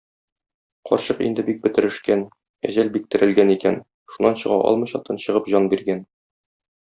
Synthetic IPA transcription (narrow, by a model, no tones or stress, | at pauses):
qɒ̰ɾɕɤqḭnd̪ɘbik̚bɘ̆t̪ɘ̆ɾɘ̆ʃkæn | æ̰ʑælbik̚t̪ɘ̆ɾʔɘ̆lɡænikæn | ʃunːɑnɕɤ̆ʁɑ̰ʔɒ̰lˠmɤ̆jɕɑt̪ʰɤnɕɤ̆ʁɤpʑɒnbiɾɡæn